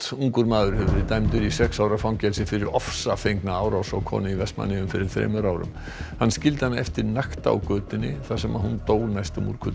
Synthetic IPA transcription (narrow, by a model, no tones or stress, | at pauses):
uŋkʏɾmaːðʏɾ̥hɪvʏɾɪt̪ajmt̪ʏɾisɛksaːwɾafawŋcɛlsɪfɪɾɪɾɔfsafejŋknaaːwɾawsɔɣkʰɔ̰ːnɪivɛst̪ma̰nːɪʏmfɪɾɪɾ̥θɾḛːjmʏɾaːwɾʏ̰m | hanːscɪlt̪ɪ̥hanːaɛft̪ɪɾnaxt̪a̰wkœːt̪ɪnːɪθasɛma̰ðhunt̪oːwlnajst̪ɔmṵɾkʰʏ